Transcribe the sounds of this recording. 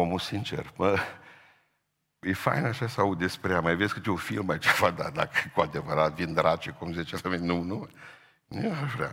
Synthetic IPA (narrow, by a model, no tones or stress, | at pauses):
omusint͡ʃḛrmə | jefa̰jnaʃasawud̪d̪espɾejamajveskɨt̪eufilmait͡ʃafat̪̚d̪a̰d̪a̰kəkuad̪evəɾat̪vind̪ɾat͡ʃekumzet͡ʃefamenʲnunu | neaʒvɾea̰